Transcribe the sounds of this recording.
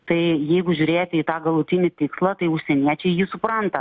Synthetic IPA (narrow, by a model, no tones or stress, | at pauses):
t̪ɐɪjɛɪɡʊʒʲʊɾʲeːjɛt̪ʲiːt̪ɑːɡɐlˠʊt̪ʲɪnʲɪt̪ʲɪkslˠɐt̪ɐɪʊʃʲsʲɛnʲiɛt͡ʃʲɛɪjɪsʊpɾɐnt̪ɐ